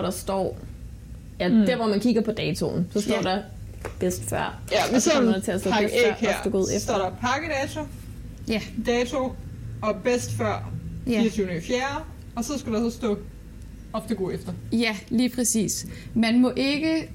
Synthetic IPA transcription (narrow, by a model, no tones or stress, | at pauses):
ʋɒɾ̥ɑ̈sd̥ɒ̰ː | æd̥æɐʋɒmænkʰiɡ̥ɐpʰɒ̽d̥ɛːt͡sʰo̝̰n̩sɒ̽sd̥ɒ̰ːdɑ̈ | b̥esd̥fɶɐ̰ | mndt͡sʰe̝æsd̥ɔ̰bḛfd̥əɡ̥oð̰ˠefsdɔ̰ɾɑpʰɑ̈ɡ̥əd̥ɛːt͡sʰo̝ | jæd̥ɛːt͡sʰo̝ɒ̽b̥esd̥fɶɐ̰iɐt͡sʰyʊnəifjæːɐ | ɒ̽sɒ̽sɡ̥uɾɑsɒsd̥ɔ̰ː | ɒfd̥əɡoefd̥ɐjæliːpʰʁɛsḭːsmænmɔ̽ʔe̝ɡ̥ə